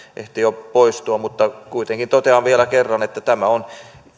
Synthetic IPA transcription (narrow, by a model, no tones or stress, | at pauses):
ʔḛht̪ijopoist̪uɑmut̪ːɑkuit̪eŋkint̪ot̪eɑʋʋielækerːɑnet̪ːæt̪æmæon